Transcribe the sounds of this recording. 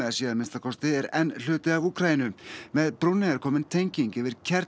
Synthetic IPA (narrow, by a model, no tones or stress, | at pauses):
ɛðasiːðaɾmɪnst̪akʰɔst̪ɪɛɾɛnl̥ʏːt̪ɪavuːkʰɾajɪnʏmɛðpɾɔnːɪðɛɾ̥kʰɔːmɪnt̪ʰejɲciɲcɪvɪɾ̥cʰɛɾ